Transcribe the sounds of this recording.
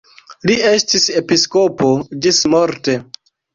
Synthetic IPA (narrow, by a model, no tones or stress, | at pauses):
lie̞stise̞pisko̞po̞d͡ʒismoɾte̞